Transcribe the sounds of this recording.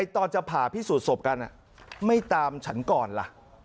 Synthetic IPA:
a˧jt̪ɔː˧nt͡ɕa˨pʰaː˨˩pʰiː˥˩suː˨˩t̪̚so˨˩p̚ka˧nʔa̰˨˩ | ma˥˩jt̪aː˧mt͡ɕʰa˦˥nkɔː˨˩nla̰˨˩ʔ

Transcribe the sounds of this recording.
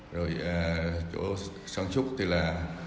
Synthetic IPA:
zo˨˩jʔəː˨˩t͡ɕo̰˧˩˦sa˧ŋt͡ɕʊ˦˥k͡p̚t̪i˧˩laː˨˩

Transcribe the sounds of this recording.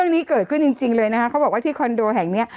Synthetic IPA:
əŋniː˦˥kɤː˨˩t̪̚kʰɯ˥˩nt͡ɕi˧ŋt͡ɕi˧ŋlɤː˧jna˦˥kʰa˦˥kʰa˦˥wbɔː˨˩k̚wa˥˩t̪ʰiː˥˩kʰɔ˧ndoː˧ɦɛ˨˩ŋni˦˥ɐ

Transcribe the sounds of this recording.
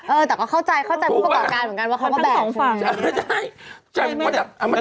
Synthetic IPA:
ʔɤː˧t̪ɛː˨˩kɔː˥˩kʰa˥˩wt͡ɕa˧jkʰa˥˩wt͡ɕa˧ju˥˩pkːɔː˨˩p̚kaː˧nmɯ˩˦ka˧nwa˥˩a˥˩wkɔ˥˧˩bɛː˧˩ŋː˧˩t͡ɕʰa˥˩jt͡ɕʰa˧˩˧ma˧nt͡ɕa˨˩˧m˧˦

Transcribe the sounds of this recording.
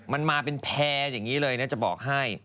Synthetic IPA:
ma˧nmaː˧pe˧npʰɛː˧ja˨˩ŋːiː˦˥lɤː˧jna˦˥t͡ɕa˨˩bɔ̰ː˨˩k̚ɦa˥˩j

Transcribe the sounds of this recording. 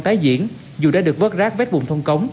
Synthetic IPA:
t̪aː˨˦jzḭ˧˨ən | zu˨˩ɗaː˧˥ɗɨ˨˩ək̚və˦˥t̚zaː˦˥k̚vɛː˦˥t̚ɓʊ˨˩ŋ͡mt̪ʰwŋ͡mkə˨˦wŋ͡m

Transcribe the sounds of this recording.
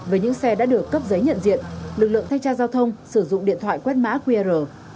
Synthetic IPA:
vəː˨˦jɲɨ̰˧˥ŋsɛ˧ɗa̰ː˧˥ɗɨ˨˩əkːə˦˥p̚zə˨˦jɲə̰˧˨nzḭ˧˨ənlɨ˨˩k̚lɨ̰˧˨əŋt̪ʰa˧jŋ̟t͡ɕaː˧zaː˧wt̪ʰə˧wŋ͡msɨ˧˩zʊ̰˧˨ŋ͡mɗḭ˧˨ənt̪ʰwa̰ː˧˨jkwɛ˦˥t̚ma̰ː˧˥kwi˧a˧zəː˨˩

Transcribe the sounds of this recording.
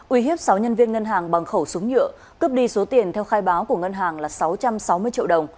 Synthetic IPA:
ʔwi˧˩ɦi˦˥əp̚sa˨˦wɲə˧nvi˧ənŋə˧nɦaː˨˩ŋɓa˨˩ŋxə˧˩wsʊ˨˦ŋ͡mɲɨ̰˧˨ə | kɨ˦˥p̚ɗi˧so˨˦t̪i˨˩ənt̪ʰɛ˧wxaː˧jɓaː˨˦wku˧˩əŋə˧nɦaː˨˩ŋlaː˨˩sa˨˦wt͡ɕa˧msa˨˦wmɨ˧əjt͡ɕḭ˧˨əɗə˨˩wŋ͡m

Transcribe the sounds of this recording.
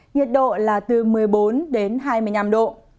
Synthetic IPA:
ŋi˨˩ət̚ɗo̰˧˨laː˨˩t̪ɨ˨˩mɨ˨˩əjɓo˨˦nɗe˨˦nɦaː˧jmɨ˧əjna˧mɗo̰˧˨

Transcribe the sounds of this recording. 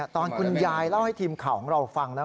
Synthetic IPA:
t̪ɔː˧nkʰu˧njaː˧jla˥˩wha˥˩jt̪ʰiː˧mkʰa˨˩wkʰɔː˨˩˦ŋɾa˧wfa˧ŋlɛː˦˥

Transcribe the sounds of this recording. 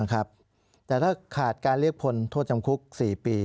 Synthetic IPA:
kʰɾa˦˥p̚ | t̪ɛː˨˩t̪ʰaː˥˩kʰaː˨˩t̪̚kaː˧nli˦˥ək̚pʰo˧nt̪ʰoː˥˩t̪̚t͡ɕa˧mkʰu˦˥k̚siː˨˩piː˧

